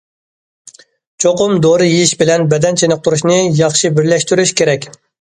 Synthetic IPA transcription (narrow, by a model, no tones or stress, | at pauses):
t͡ʃʰoqʊmd̪oɾɨjejiʃbɪlɛnbɛd̪ɛnt͡ʃʰenɨq̚t̪ʰuɾuʃnɨjɑχʃibɪɾlɛʃt̪yɾyʃkʲʰeɾɛkʲ